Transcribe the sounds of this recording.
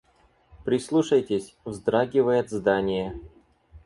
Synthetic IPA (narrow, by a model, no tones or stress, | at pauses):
pɾʲɪslˠuʂəjtʲɪsʲvzd̪ɾaɡʲɪvəjɪt̪zd̪anʲɪjə